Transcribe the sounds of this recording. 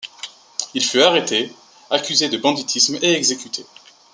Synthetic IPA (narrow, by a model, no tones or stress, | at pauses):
ilfyaʁet̪e | akʲyzed̪əbɑ̃d̪it̪ʰismeɛɡzekʲyt̪ʰe